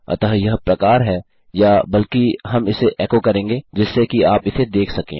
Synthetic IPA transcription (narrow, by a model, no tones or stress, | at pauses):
ɐ̰t̪aɦjɐɦpɾɐkaːɾɦɛː | jabɐlkiɦɐmɪseʔɛːkokɐɾẽːŋɡeːd͡ʒɪsːekiaːpɪsed̪eːkʰsɐkḛ̃ː